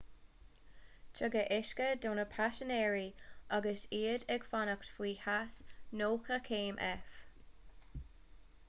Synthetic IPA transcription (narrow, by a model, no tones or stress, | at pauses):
t͡ʃʰəɡəʔɪʃkədoːnəpʰaʃənɛːɹiʔaɡəsiːədɛɡfanəktfwiːhasnoːkʰəkʰeːmʔɛ̰f